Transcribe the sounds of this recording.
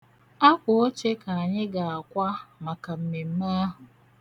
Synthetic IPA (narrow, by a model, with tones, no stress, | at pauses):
a˦kʷʊ˨o˦t͡ʃe˦ka˨a˨ɲɪ˦ɡa˨a˨kʷa˦ma˨ka˨m̩˨me˨m̩˦ma˦a˦ɦʊ˨